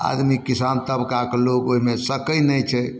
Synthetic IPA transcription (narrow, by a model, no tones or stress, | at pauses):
a̰d̪mikisant̪əbkakelokoɦimesəkəjnɛjt͡ʃʰɛ